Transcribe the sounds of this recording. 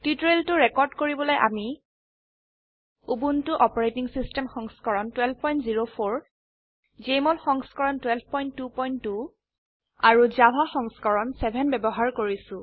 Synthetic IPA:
titɹeltʊɹɛkɔɹdkoɹibɔlojʔami | ubuntʊʔɔpɔɹejtiŋsistɛmxɔŋskɔɹɔntwɛlb̚ʱpɔjntziɹopʰoɹ | zejmɔtxɔŋskɔɹɔntwɛlb̚ʱpɔjntːupɔjnːu | aɹuzabʱaxɔŋskɔɹɔnsɛbʱɛnbɛbɔɦaɹkoɹisʊ̃

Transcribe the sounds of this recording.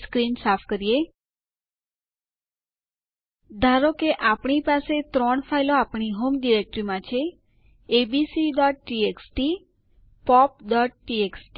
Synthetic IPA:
skɾinsafʰkəɾije | d̪ʱaɾokeʔapɳ̃ipaset̪ɾɔɳfailoapɳ̃iɦomɖiɾek̚ʈɾimãt͡ʃʰeː | bisiɖɔʈ̚ːieksʈi | pɔp̚ɖɔʈ̚ːieksʈ

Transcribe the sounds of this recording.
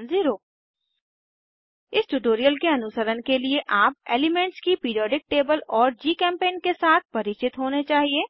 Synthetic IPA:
nziɾoː | ɪsʈuʈoːɾijəlkeɐnʊsəɾənkelieʔaːp̚eːlɪmẽːɳʈskipiːɾijɔːɖɪk̚ʈeːbəlɔːɾd͡ʒiːkɛ̃ːmpeːnkesaːt̪̚ʰpɐɾɪt͡ʃɪt̪ɦoːnet͡ʃaːɦieː

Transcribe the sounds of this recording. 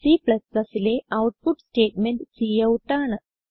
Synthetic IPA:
sipɭɐsːɐsileʔɐwʈ̚puʈsʈeːʈmenɖt͡ɕijːɐʋuʈːaːɳɨ

